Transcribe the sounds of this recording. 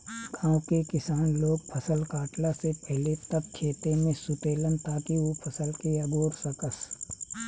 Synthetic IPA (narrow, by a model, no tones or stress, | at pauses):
ɡãːʊ̃kekɪsaːnloːɡ̚pʰɐsəlkaːʈlasepɛɦlet̪ɐb̚t͡ʃʰeːt̪emẽsʊt̪eːlənt̪aːkiopʰɐsəlkeɐɡoːɾsɐkəs